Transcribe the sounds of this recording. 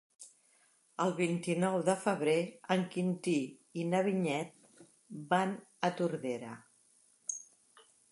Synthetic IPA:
əlˠβ̞int̪inɔwðəfəβ̞ɾeəŋkint̪iinəβiɲɛt̪̚ | banət̪uɾðeɾə

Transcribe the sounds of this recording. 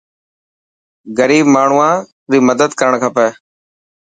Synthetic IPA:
ɡəɾiːbmaːɳ̤uːãː | ɾiːməd̪əd̪kəɾəɳkʰaːpɛː

